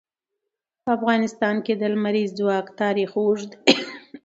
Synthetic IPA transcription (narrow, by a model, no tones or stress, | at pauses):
pəafɣɑnɪst̪ɑnked̪əlmaɾizd͡zwɑkt̪ɑɾixoʐd̪